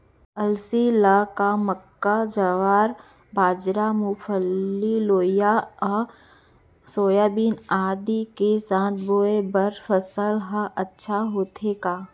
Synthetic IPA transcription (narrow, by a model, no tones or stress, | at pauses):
əlsilakaməkːad͡ʒəʋaːɾ | baːd͡ʒɾamufʰəlːiloːja | soːjaːbiːnaːd̪ikesãːt̪ʰboːebəɾfəsəlɦəʔɐtːʃʰaɦoːt̪ʰeɡaː